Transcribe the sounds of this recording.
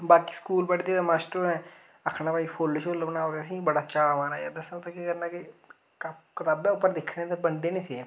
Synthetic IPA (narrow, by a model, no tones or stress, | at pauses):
baːkiːskuːlpəɽd̪eːaːmaːsʈɾoɛ̃ː | əkʰːɽãːpaːiːpʰoːlʃoləbnaːoːd̪ːəsĩːbəɽaːt͡ʃaːmãːnaːjaːd̪əsãt̪akeːkəɾnãːkɪ | kɪt̪aːbɛ̃ːʊpːəɾd̪ɪkʰːnẽːt̪abənd̪eːnĩːseː